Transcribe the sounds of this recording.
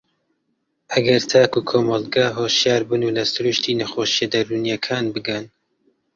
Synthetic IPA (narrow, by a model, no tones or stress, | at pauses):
ʔɐɡɐɾt̪ʰaːkuːkʰoːmɑlɡaɦoːʃjaːɾbɨnuːlɐsɨɾuʃt̪ʰiːnɐxoːʃijɛd̪ɐɾuːnjɐkʰaːnbɨɡɐn